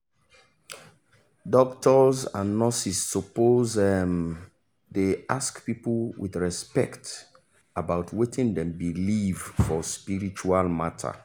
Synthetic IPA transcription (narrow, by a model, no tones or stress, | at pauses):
dɔktʰɔzã̰nːɔsisːɔpozɛm | deaskpipl̩wḭdɹɛspɛkt | abaʊtʰwetʰĩŋdɛ̃mbilivfɔspiɹit͡ʃualmatʰa̰